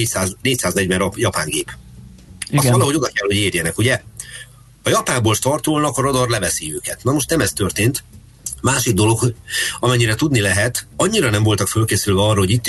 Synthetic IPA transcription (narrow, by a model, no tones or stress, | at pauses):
ecsaːzneːcsaːznɛɟvɛnrɒpjɒpa̰ːŋɡeːp | ɒsvɒlɒɦo̞ɟo̞d̪ɒkɛlho̞ɟeːrjɛnɛkuɟɛ | hɒjɒpaːmboːlʃt̪ɒrt̪olnɒkɒɾod̪ɒrlɛvɛsiøːkɛt̪nɒmoʃt̪nɛmɛst̪ø̞rt̪eːnt̪ | maːʃiɡ̚d̪o̞lo̞khoɒmɛɲːiɾɛt̪ud̪nilɛɦɛt̪ɒɲːiɾɒnɛɱvo̞lt̪ɒkfølkeːsylvɛɒrːɒhoɟit̪ː